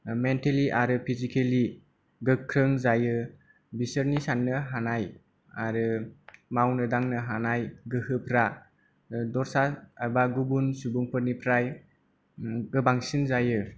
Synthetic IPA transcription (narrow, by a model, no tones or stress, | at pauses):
menteliʔaɾɯpʰizikʰeli | ɡɯkʰːɾɯŋzajɯ | bisəɾnisanːɯɦanaj | aɾɯmawnɯdaŋnɯɦanajɡɯhɯpʰɾa | dɔɾsaabaɡubunsubuŋpʰɯɾnipʰɾaj | ɡɯbaŋsinzajɯ